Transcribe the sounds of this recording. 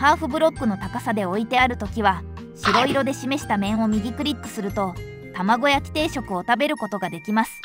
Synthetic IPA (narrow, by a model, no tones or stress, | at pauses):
haːɸɯ̟bɯ̟ɾo̞kːɯ̟no̞t̪akasad̪e̞o̞it̪e̞aɾɯ̟t̪o̞kʲiβ̞a | ɕiɾo̞iɾo̞d̪e̞ɕime̞ɕi̥t̪amẽ̞ɰ̃o̞mʲiɡʲikɯ̟ɾʲit̪ːɯ̟̥sɨɾɯ̟t̪o̞ | t̪amaɡo̞jakʲi̥t̪e̞ːɕo̞kɯ̟o̞t̪abe̞ɾɯ̟ko̞t̪o̞ɡad̪e̞kʲimasɨ̥